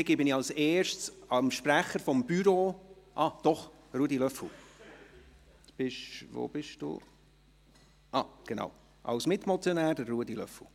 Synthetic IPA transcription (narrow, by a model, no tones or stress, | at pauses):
ɪɡibɪnɪɑlsɛːɾʃtsɑmʃpɾæχəɾfɔmb̥yɾoːʔɑːd̥ɔχ | ruədilœfl̩ | b̥ɪʃvo̰b̥ɪʃd̥ṵː | ʔɑːɡ̥enɑ̰w | ʔɑ̰wsmɪtmɔt͡sjɔnæːɾdəɾːuədilœ̰fl̩